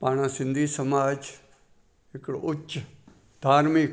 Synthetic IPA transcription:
paːɽ̃ãːsɪ̃nd̪ʱiːsɐmaːd͡ʒ | ɪkɽʊt͡ʃːʃ | d̪̥ʱaːɾmɪk

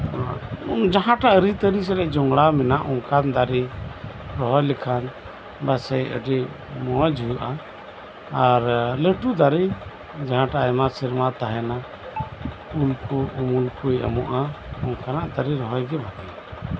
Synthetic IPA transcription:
d͡ʒaɦãʈaʔɾit̪əɾis̬ɛɾɛʔd͡ʒɔŋɡɽamɛnaʔɔŋkand̪aɾi | ɾɔɦɔjlɛkʰan | basɛjʔə̰ɖɛ | mɔad͡ʒʱujuʔaː | ɾləʈud̪aɾi | d͡ʒaɦãʈaʔajmasiɾmat̪aɦɛna | ulkuumulkuja̰mɔʔaɔŋkanaʔt̪aɾiɾɔɦɔjɡɛbʱat̪ia

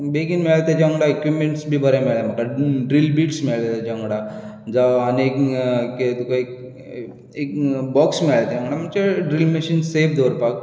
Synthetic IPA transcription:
beɡinmiɭat̪ed͡ʑəŋɡɽaekjumeɳʈsbʱiːbəɾamiɭam̤əkaɖɾilbiːʈsmiɭd͡ʑəŋɡɽa | d͡zaaniekket̪ukaek | ekbɔksmiɭajt̪eə̃ŋɡɽam̤əɳt͡ɕeɖɾilmeɕiːnsebd̪ʱoɾpak̚

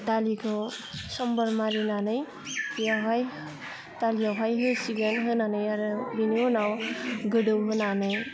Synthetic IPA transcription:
d̪alikʰosʌmbʌɾmaɾinanʌj | aɦaj | t̪alijaɦajɦesiɡenɦɯnanʌjaɾbinionawɡəɖɯwɦɯnanʌj

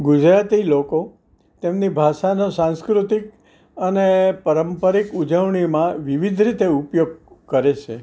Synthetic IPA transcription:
ɡʊd͡ʒɾat̪iloko | t̪emnibʱaʃanosãnskɾut̪ik | ənepəɾəmpəɾikud͡ʒəʋɳimãʋiʋid̪ʱɾit̪eupjoɡ̚kəɾet͡ʃʰe

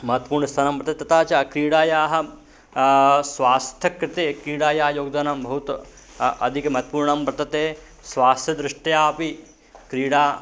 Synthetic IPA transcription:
mɐɦɐt̪ːɐ̥puːɾɳɐst̪ʰaːnampɾɐt̪ɐt̪et̪ɐt̪aːt͡ʃaːkɾiːɽaːjaːɦɐ̆ | sʋaːst̪ʰɐkɾɪt̪eːkɾiːɽaːjaːjoːɡ̚d̪anambʱɐɦut̪ | ɐd̪ʱikɐmɐɦɐt̪puːɾɳɐmpɾɐt̪ɐt̪eː | sʋaːst̪ʰɐd̪ɾɪʂʈjaːpi | kɾiːɽaː

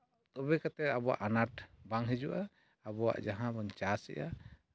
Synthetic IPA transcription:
t̪ɔbɛkat̪ɛt̪abɔwa̰ʔanaʈ̚baŋɦɛd͡ʒuʔaː | bɔwa̰ʔd͡ʒaɦãbɔɲt͡ʃasɛ̰ʔa

